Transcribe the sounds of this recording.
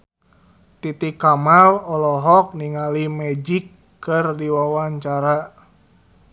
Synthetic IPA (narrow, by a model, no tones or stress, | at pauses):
t̪it̪ikamalɔlɔɦɔk̚niŋalimɛd͡ʒikː | ɨrdiwawaɲt͡ʃaɾa